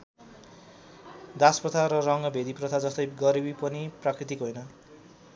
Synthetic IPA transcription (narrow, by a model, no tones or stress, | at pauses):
d̪asprʌt̪ʰaɾʌrʌŋʌbʱed̪iprʌt̪ʰad͡zʌst̪ʌjɡʌɾibipʌniprakrit̪ikɦojnʌ